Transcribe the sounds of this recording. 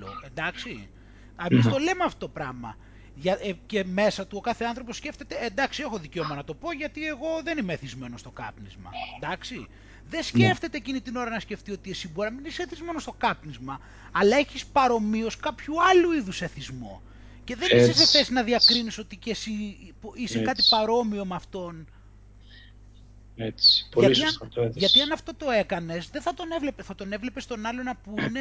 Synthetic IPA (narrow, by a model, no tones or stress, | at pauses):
o̰end̪ɐksi | ɐmist̪o̞le̞meɐft̪opɾɐmɐ̰ | ʝɐce̞me̞sɐt̪uokɐθeɐnθɾo̞posce̞ft̪e̞t̪eend̪ɐksie̞xo̞ðice̞omɐnɐt̪o̞po̞ʝɐt̪ie̞ɣo̞ðenimeeθizme̞no̞st̪o̞kɐ̰pnizmɐ̰end̪ɐksi | ðe̞sce̞ft̪e̞t̪e̞ːcinit̪ino̞ɾɐnɐsce̞ft̪io̞t̪iesiboɾiɐmineseθizme̞no̞st̪o̞kɐpnizmɐ | ɐlɐeçispɐɾo̞mio̞skɐpçuɐluiðuseθizmo̞̰ | ce̞ðe̞niseseθesinɐðiɐkɾiniso̞t̪icesipisekɐt̪ipɐɾo̞mio̞mɐft̪o̞n | et͡spolɐiiɐeʝɐt̪iɐnɐft̪o̞t̪o̞e̞kɐne̞sðeθɐt̪o̞ne̞vle̞peθɐt̪o̞ne̞vle̞pst̪o̞nɐlo̞nɐpuine